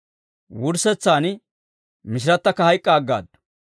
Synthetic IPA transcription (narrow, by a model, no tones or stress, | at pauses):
wʊɾsɛt͡sːaːn | mɪʃ̬ɪɾɐt̪ːɐkːɐhɐjkʼːaːɡːa̰ːd̪ːʊ̥